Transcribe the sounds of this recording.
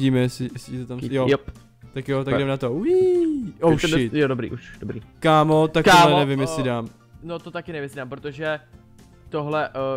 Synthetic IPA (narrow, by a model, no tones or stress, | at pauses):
iːmɛjɛsɪjɛsɪt̪ɛt̪amjoj | t̪akjot̪aɡɡɛmnat̪owjiʔowʃɪt̪jodobɾḭʔuʃdobɾḭːkaːmot̪akalɛnɛvɪmjɛsɪdaːm | not̪ot̪akɪnɛvɪmjɛsɪdaːmpɾot̪oʒɛ | t̪oɦlɛʔ